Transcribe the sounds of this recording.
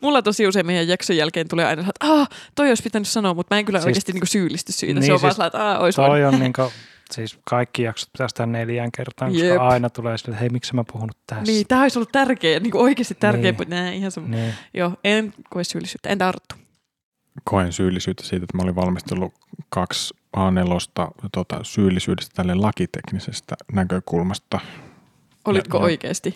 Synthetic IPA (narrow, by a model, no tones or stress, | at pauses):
mulːɑt̪osiuseimeijæjjɑksojjælkeːnt̪uleːɑ̰inɑsɑlɑt̪ʔɑːt̪oioispit̪ːænyssɑnoːmut̪mæːeŋkylːæoikeːst̪iniːŋkusyːlːˑist̪yssḭːt̪ænsːeoʋsːnseɑlɑet̪ɑːo̰ist̪oioniːŋko | siːskɑikːijɑkso̥t̪̚pit̪æst̪æneljæŋkert̪ɑːˑŋkjoseɑɑˑinɑt̪uleːsilːeheimiksemːæpuhunut̪t̪æsniːt̪æːoisolːut̪t̪ærkeːniːŋkuoikeːst̪it̪t̪ærkeːpmut̪næːeihɑnsɑmːuniːjoːenkoessyːlisyːt̪ːæ̰ḛnt̪ɑrt̪ːu̥ | kʰoensyːlːisyːt̪ːæ̥siːt̪et̪ːæmæoliʋʋɑlmist̪eolːu | kɑks | ʔɑːnelost̪ɑ̰t̪uot̪ɑ̰syːlːisyːdest̪æ̥t̪ælːellɑkit̪eknisest̪ænækøkulmɑst̪ɑ | ʔolit̪kooikḛːst̪i